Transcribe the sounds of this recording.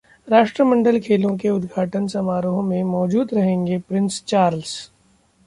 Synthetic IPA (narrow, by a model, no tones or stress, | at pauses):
ɾaːʃʈɾəmə̃ɳɖəlkʰeːlõk̬eʊd̪ɡʱaːʈənsɐmaːɾõmẽmɔːd͡ʒuːd̪ɾɐɦẽːŋɡepɾɪ̃nst͡ʃaːɾls